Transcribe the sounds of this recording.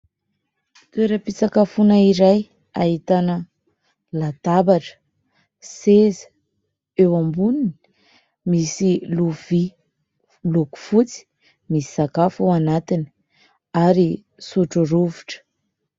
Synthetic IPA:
t̪weɾəpit͡sakafunaiɾaj | aɦit̪anə | lat̪abaʈ͡ʂə̥ | sezə̥ | ewambunini̥ | misiluvi | luku̥fut͡si̥ | misi̥z̥akafuwanat̪ini̥ | aɾi | suʈ͡ʂuɾuvuʈ͡ʂə̥

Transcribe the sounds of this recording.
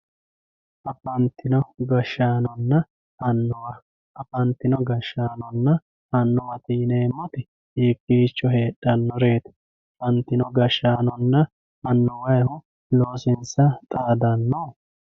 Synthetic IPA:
ʔɐpɐnt̪ːɪnɔɡɐʃːaːnɔnːɐ | ɐnːɔwɐ | ʔɐfɐnt̪ɪnɔɡɐʃːaːnɔnːɐ | ɐnːɔwɐt̪iːneːmːɔt̪ɪ | ɛkʼːiːt͡ʃːɔɦeːɗːɐnːɔɾe̞ːt̪ɛ̥ | ɐfɐnt̪ːɪnɔɡɐʃaːnɔnːɐ | ɐnːɔwɐjhʊ | loːsɪnsɐt̪ʼaːd̪ɐnːo

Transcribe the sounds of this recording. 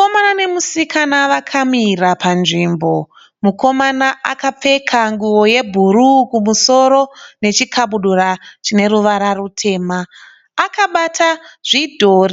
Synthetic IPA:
komanane̞musikʰanaʋakʰamirapʰanʐimbo̞ | muko̞manaʔakap͡fe̞kʰaŋɡuwo̞je̞bʱuɾukumuso̞ɾo̞ne̞t͡ʃikʰaɓuɗurat͡ʃine̞ɾuʋaɾarutʰe̞ːmaː | kaɓataʐ̥idʱoːri

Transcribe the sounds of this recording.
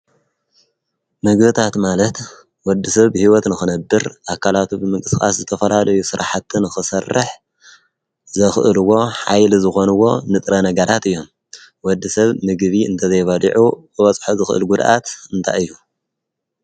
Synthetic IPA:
mɨɡβɨt̪ʰat̪malɐt̪ | wɔd̪ːisɐβːɨhiwɔt̪nɨxɨnɐbːɨɾʔakʰalat̪ʰubɨmɨŋkʼɨsxʼa̰szɨt̪ʰɐfɐlalɐjusɨɾa̰ħat̪ʰːɨnɨxɨsɐrːɨ̰ħ | zɐxʔɨlɨwːo̞ħa̰jlizɨxo̞nɨwo̞nɨt̪ʼɾɐnɐɡɐɾat̪ɨjːo̞m | wɔd̪ːisɐβmɨɡβiɨ̰nt̪ʰɐzɐjbɐlḭʕub̥ɨβɐt͡sʼħozɨxʔɨ̰lɡud̪ʔa̰t̪ɨnt̪ʰa̰jɨjːu

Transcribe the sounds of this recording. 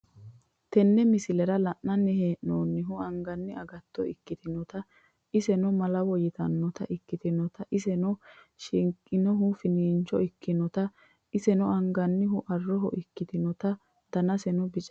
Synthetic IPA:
t̪ɛnːɛmɪsɪlɛɾɐlɐʔnɐnɛheːʔnoːnːɪɦʊɐŋɡɐnːɪɐɡɐt̪ːɔɪkːɪt̪ɪnɔt̪ɐ | ʔɪsɛnɔmɐlɐwɔjɪt̪ɐnːɔt̪ɐ̰ʔɪkːɪt̪ɪnɔt̪ɐʔɪsɛnɔ | ʃɪŋkʼːɪnɔɦʊfɪniːnt͡ʃɔɪkːɪnɔt̪ɐ | ʔɪsɛnɔɐŋɡɐnːɪhʊʔɐrːɔɦɔ̰ʔɪkːɪt̪ɪnɔt̪ɐ | d̪̥ɐnɐsɛnɔbɪt͡ʃʼɛ

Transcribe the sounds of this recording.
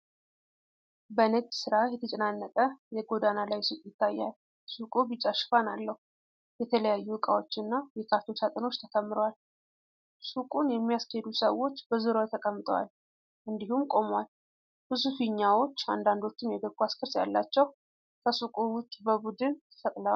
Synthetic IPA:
bənəd͡ʒsɨɾajɛt̪ʰət͡ʃʼɛnanːət̪ʼəjɛɡo̞d̪analajsukʼjɪt̪ʰːajːal | sukʼuβɨt͡ʃʼːaʃfanalːəhu | jɛt̪ʰələjajːuɨkʼa̰wo̞t͡ʃːɨnːajɛkʰat̪o̞t͡ʃʰat̪ʼɨno̞t͡ʃːt̪ʰəkʰəmːɨɾowal | sukʼunjɛmːijasked̪usəwːo̞t͡ʃːbəzɨɾot̪ʰəkʼəmːɨt̪ʼwa̰l | ʔɨnd̪ihumkʼo̞mwal | b̥ɨsufiɲːawo̞t͡ʃːa̰nd̪and̪o̞t͡ʃːɪmjɛɡ̪əɡuaskʰɨɾsja̰lːat͡ʃːɛw | kʰəsukʼuwʊt͡ʃːbəbud̪ɨnt̪ʰɨfəkʼləwal

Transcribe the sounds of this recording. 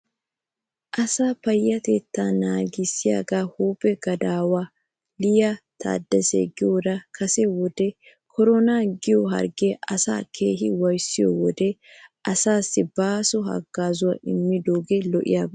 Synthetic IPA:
ʔɐsaːpɐjːɐt̪eːt̪ːaːnaːɡɪsːɪja̰ːɡaːhuːbɛɡɐd̪aːwaː | lɪjat̪ʰa̰ːd̪ːɐsḛɡɪjod̪ɐkʰɐsɛwɔd̪ɛ | kʰɔɾɔnaːɡɪjɔɦɐ̰ɾɡeʔɐsa̰ːkʰeːɦɪwɐjsːɪjɔ̰wɔd̪ɛʔɐsaːsːɪbaːsɔhɐ̰ɡːaːzʊwaɪmːɪd̪oːɡelɔʔɪ̰jaːb

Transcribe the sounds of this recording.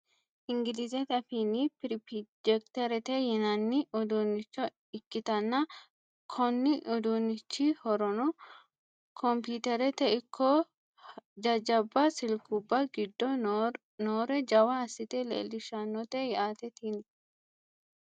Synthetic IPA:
ʔɪŋɡɪlɪzɛt̪ɐfinipɪɾpid͡ʒɛkt̪ɐɾɛt̪ɛjɛnɐnːɪʔɔd̪unːɪt͡ʃːɔ | ɪkːɪt̪ɐnːɐ | kʰɔnːɪʔɔd̪unːɪt͡ʃːihɔɾɔnɔ | kʰɔmpuːt̪ɛɾɛt̪ɛɪkʰːɔ | d͡ʒɐd͡ʒɐbːɐsɪlkubːɐɡɪd̪ːɔ | noːɾɛd͡ʒɐwɐɐsːɪt̪ɛlḛːlːɪʃɐnːɔt̪ɛjɛaːt̪ɛt̪iːn

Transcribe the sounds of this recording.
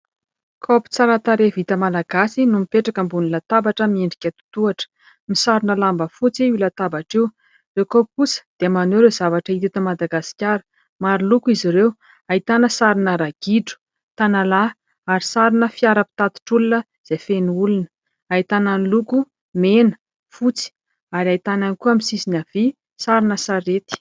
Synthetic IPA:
kʰopi̥t͡saɾat̪aɾevit̪əmalaɡasinumipeʈ͡ʂakəmbunilat̪abaʈ͡ʂəmieɳɖ͡ʐikʲət̪u̥t̪uaʈ͡ʂə̥ | misaɾinəlambəfut͡siulət̪abaʈ͡ʂew | lekopkusə̥d̪̥emaneɾezavaʈ͡ʂəit̪it̪əmad̪aɡasi̥kʲjaɾə̥ | maɾilukuiziɾew | ait̪anəsaɾinəɾaɡ̥iɖ͡ʐu̥ | t̪anala | aɾisaɾinəfiaɾəpi̥t̪at̪u̥ʈ͡ʂulunə | z̥efenuulun | ait̪ananluku | menə̥ | fut͡si̥ | aɾiait̪ananikuamisisinav̥i | saɾinəsaɾet̪i̥

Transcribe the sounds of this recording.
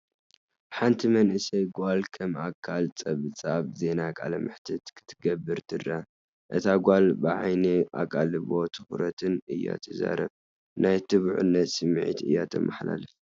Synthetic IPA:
ħant̪ʰimɐnʔɨsɐjɡʷalkʰɐmakʰːalt͡sʼɐβɨt͡sʼaβze̞nakʼalɐmɨħt̪ʰɨt̪kʰɨ̥t̪ʰːɨɡɐbːɨɾt̪ʰɨrːɐ | ʔɨt̪ʰaɡʷalbɨʕajneʔa̰kʼalɨβo̞t̪ʰɨxɾɐt̪ʰɨnɨjːa̰t̪ʰɐza̰ɾɐβ | najt̪ʰɨβuʕṵnːɐt̪sɨmːʕḭt̪ɨ̰jːat̪ʰɐmːʔaħla̰lɐf

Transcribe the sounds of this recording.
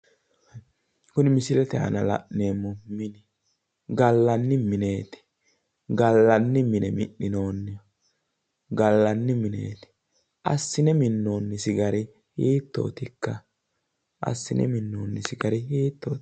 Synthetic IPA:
kʊnɪmɪsɪlɛt̪ɛɐ̰nɐlɐ̰ʔneːmːɔmɪnɪ | ɡɐlːɐnːɪmɪne̞ːt̪ɪ̥ | ɡɐlːɐnːɪmɪnɛmɪʔɪno̞ːnːɪjɔ | ɡɐlːɐnːɪmɪnḛːt̪ɪ̥ | ʔɐsːɪnɛmɪnːo̞ːnːɪsɪɡɐɾɪ | hiːt̪ːo̰ːt̪ɪkːɐ | ʔɐ̰sːɪnɛ̰mɪnːoːnːɪsɪɡɐɾɪhiːt̪ːo̞ː

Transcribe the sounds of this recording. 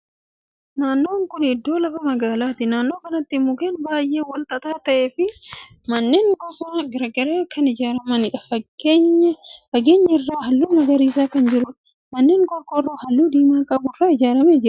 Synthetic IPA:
naːnːo̞ːŋkʊnɪd̪ːo̞ːlɐfɐmɐɡaːlaːt̪ɪnaːnːo̞ːkɐnɐt̪ːɪmʊkeːnbaːjʔe̞ːwɐlt̪ʼɐt̪aːt̪ɐʔe̞ːfɪ | mɐnːeːŋkɔsɐːɡɐɾɐɡɐɾeːkʰɐnɪd͡ʒaːɾɐmɐnɪᶑɐfɐɡɲfɐɡe̞ːɲːɐɪrːaːɦɐlːuːmɐɡɐɾiːsaːkɐnd͡ʒɪɾʊᶑ | mɐnːeːŋkʼɔɾkʼɔrːohɐlːuːd̪iːmaːkʼɐbʊɪrːaːɪd͡ʒaːɾɐmeːd͡ʒɪɾɐ

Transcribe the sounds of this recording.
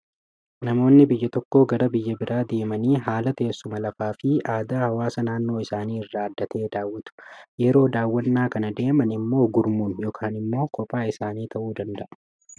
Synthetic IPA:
nɐmo̞ːnːɪbɪjːɐt̪ɔkːo̞ːɡɐɾɐbɪjːɐbɪɾʔaːd̪e̞ːmɐniːɦaːlɐt̪eːsːʊmɐlɐfaːfɪʔaːd̪aːhɐwaːsɐnaːnːo̞ːɪsaːniːɪrːaːɐd̪ːɐt̪ʰe̞ːd̪aːwːɪt̪ʊ̥jɛɾo̞ːd̪aːwːɐnːaːkɐnɐd̪e̞ːmɐnɪmːo̞ːɡʊɾmunjoːkʰaːnɪmːo̞ːkɔpʼːaːɪsaːniːt̪ʰɐʔuːd̪ɐnd̪ɐʔɐ̥

